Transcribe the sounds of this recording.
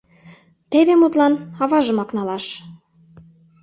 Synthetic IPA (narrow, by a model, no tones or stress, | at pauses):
t̪eβemut̪lɑnɑβɑʒə̆mɑknɑlɑʃ